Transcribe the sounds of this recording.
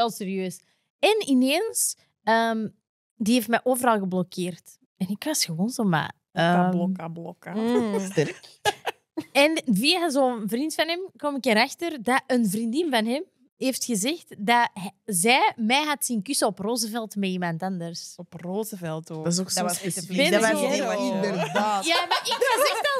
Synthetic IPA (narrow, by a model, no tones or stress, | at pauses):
ʋɛlˠseɾijøːs | ɛnineːns | əːm | diɦeftmɛʔoːvəɾɑlˠɣəblɔkʰeːrt | ɛnɪkwasxəwoːnzoːma̰ː | əːblɔkablɔkastɛrk | ɛnviːazoːəənvrintfanɦɛmkɔmɪkɛɾaxtərdaʔənvrindɪnvanɦɛm | ɦeːftxəzɛxtdaɦzɛːmɛːɦatsinkysəɔproːzəvɛlˠtmɛimɑntɑndərsɔproːzəvɛlˠtoːdasokssesfɪdɪndərdaːjamaɪkʋasɛxtal